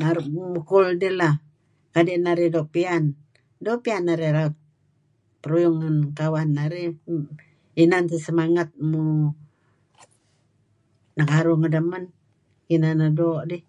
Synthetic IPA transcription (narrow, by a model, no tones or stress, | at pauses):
naɾmukuldila | kadiʔnaɾidoʔpian | doʔpianːaɾeɾaut̪̚ | pəɾujuŋːənkawanːaɾi | inant̪isəmaŋat̪̚mu | nəkaɾuŋədəmən | kinanadoʔdi